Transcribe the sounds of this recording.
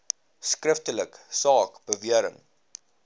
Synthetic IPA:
skrəftələksɑːkb̥əviəɾə̰ŋ

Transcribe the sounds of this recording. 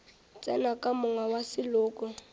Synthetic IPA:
t͡sʼɛnakʼamʊŋwawasɪlʊːkʊ

